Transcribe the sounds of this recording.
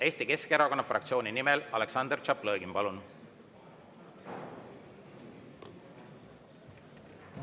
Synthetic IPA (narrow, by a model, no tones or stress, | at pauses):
e̞ːst̪ike̞skeeɾɑko̞nːɑfrʔɑ̰kt̪sio̞ːninimɛlɑle̞ksɑnd̪rt͡ʃɑplɤːɡimpɑlun